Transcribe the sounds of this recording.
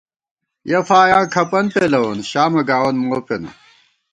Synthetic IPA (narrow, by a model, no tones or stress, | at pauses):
jɐfaːjãːkʰɐpɐnpelɐwɐnɕaːmɐɡaːwɐnmoːpenɐ̰